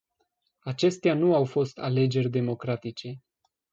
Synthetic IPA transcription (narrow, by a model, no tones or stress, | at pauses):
at͡ʃe̞st̪eanuawfo̞st̪ʰale̞d͡ʒe̞rʲd̪e̞mo̞kɾat̪it͡ʃe̞